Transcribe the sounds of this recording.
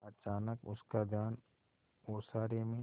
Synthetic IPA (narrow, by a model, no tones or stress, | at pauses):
ɐt͡ʃaːnəkʊ̰skad̪ʱjaːn | oːsaːɾemẽ